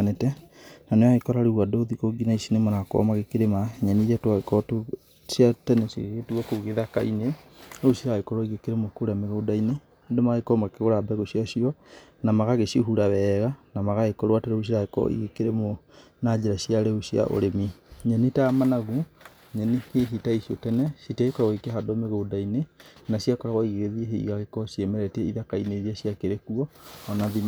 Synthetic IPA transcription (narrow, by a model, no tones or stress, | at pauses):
nɛtɛnanewaɣekɔɾaɾewadoːðikoɡinaisinemɔnakɔ̰maɣekeɾemaɲɛniatoaɣekɔto | siatɛnɛsḛɣetuɣɔkoɣeðakaineosiɾaekɔɾɔiɣekeɾemokoɾameɣodaine | domaɣekɔmaɣkeɣoɾabɛɣosjasiɔnamaɣaɣesiohuɾawɛɣanamaɣaekɔɾwateɾos̬iɾaekɔɔ̰ḭɣekeɾemo | nad͡ʑeɾasjaɾeosja̰ʔo̰ɾemiɲɛnitamanaɣu | ɲɛniheɦitaisiotɛnɛsiteekɾaɣɔikeɦadomeɣodainenasiakɔɾaɣɔiɣeɣeðieɦḛḭɣaɣekɔsjemɛɾɛtɛiðakaineðiasiakeɾekuɔːnaðim